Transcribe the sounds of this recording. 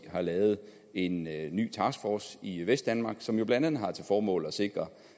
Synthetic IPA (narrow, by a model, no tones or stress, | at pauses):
ɦɑ̈lɛːʊð̞̩ˠ | e̝nːy̰ːt͡sʰɑ̈ːsɡ̥fɒːsiʋesd̥ænmɑ̈ɡ̥sɒ̽mjo̝b̥lædæn̰̩ˠɦɑ̈t͡sʰe̝lfɒːmɔ̰̽ːl̩ɒ̽se̝ɡ̥ʁɐ